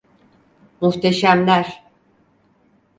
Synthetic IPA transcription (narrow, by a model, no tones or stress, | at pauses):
muht̪ʰeʃæmlʲæɾ